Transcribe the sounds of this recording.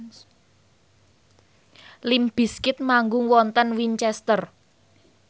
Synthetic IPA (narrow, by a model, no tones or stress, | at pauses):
limb̥i̤skɪt̪̚maŋɡʊŋwɔnt̪ənwiɲt͡ʃɛst̪ər